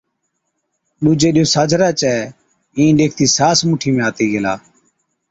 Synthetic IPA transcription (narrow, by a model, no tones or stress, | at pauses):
ɗud͡ʒeːɗɪjoːsaːd͡ʒʱɾaːt͡ʃɛː | ĩːɗeːk̚ʰt̪iːsaːsmuʈʰiːmẽːaːt̪iːɡeːlaː